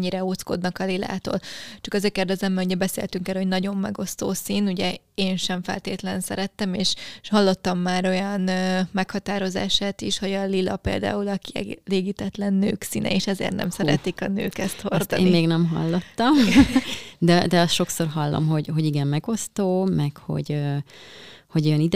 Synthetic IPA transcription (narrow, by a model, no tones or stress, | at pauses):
ɲːiɾɛoːt̪sko̞̰d̪nɒkɒlila̰ːt̪o̰ːlt͡ʃɒkɛzeːrkeːrd̪ɛzɛmːɛluɟɛbɛsḛːlt̪yŋkɛlho̞ɟnɒɟo̞mːɛ̰ɡo̞st̪oːsiːnuɟɛ | eːnʃɛɱfɛ̰lt̪eːt̪lɛnsɛ̰ɾɛt̪ːɛmeːʃhɒlːo̞t̪ːɒmːaːɾo̞jɒnmɛkhɒt̪aːɾo̞za̰ːʃaːt̪iʃho̞ɟɒlilɒ̰pḛːld̪a̰ːulɒkiɛ̰leːɡit̪ɛt̪lɛnːø̰ːksḭːnʔɛ̰eːʃɛzḛːrt̪nɛ̰msɛɾɛ̰t̪ikɒnø̰ːkɛst̪hord̪eːmmeːɡnɛmɦɒ̰lːo̞t̪ːɒm | d̪ɛd̪ɛɒst̪ʃo̞kso̞rɦɒlːo̰mɦo̞ɟɦoɟiɡɛmmɛɡo̞st̪oːmɛkho̞̰ɟø | ho̞ɟo̞jɒnid̪ɛ